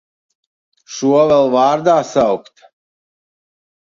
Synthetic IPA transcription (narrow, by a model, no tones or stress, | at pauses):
ʃuɔvɛlˠvaːɾd̪aːsawkt̪